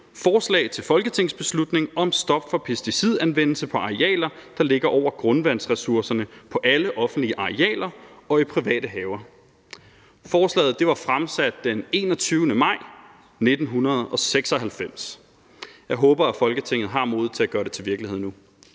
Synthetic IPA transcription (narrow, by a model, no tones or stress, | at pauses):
fɒːslɛ̰ːɪt͡sʰe̝lfɒ̽lɡ̥ət͡sʰe̝ŋ̰sb̥e̝slud̥ne̝ŋɒ̽msd̥ɒ̽b̥fɒ̽pʰe̝sd̥isið̞ˠænʋen̰l̩səpʰɒ̽ɑ̈iɛ̰ːlɐd̥ɑ̈le̝ɡ̥ɐʔɒʊ̰ɐɡ̥ʁɔ̽nʋæn̰sʁɛsuɐsɐnəpʰɒ̽ʔæləʔɒ̽fn̩d̥liəʔɑ̈iɛ̰ːlɐɒ̽ipʰʁiʋɛ̰ːd̥əɦɛːʊɐ | fɒːslɛ̰ːð̩ˠd̥e̝ʋɑ̈fʁamsæd̥̚ːene̝̰ːnɒ̽t͡sʰyːʊnəmɑ̈ɪ̰ | ne̝d̥n̩ɦunɐð̞̩ˠɒ̽seɡ̥sɒ̽ɦælfem̰s | jɑ̈ɪɦɔːb̥ɐæfɒ̽lɡ̥ət͡sʰe̝ŋ̰ð̩ˠɦɑ̈mo̝ːð̩ˠt͡sʰe̝æɡ̥ɶːɐɾe̝t͡sʰe̝ʋiɐɡ̥liheð̰nu